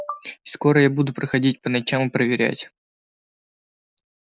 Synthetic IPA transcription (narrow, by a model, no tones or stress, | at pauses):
sko̞ɾəjabud̪ʊpɾəxɐdʲit̚ʲpənɐt͡ɕamɨpɾəvʲɪɾʲæ̰tʲ